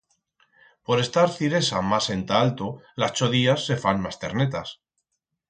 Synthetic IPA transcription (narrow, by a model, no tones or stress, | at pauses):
po̞ɾe̞st̪aɾθiɾe̞samase̞nt̪aalt̪olast͡ʃo̞ðiasːe̞fanmast̪e̞̰ɾne̞t̪as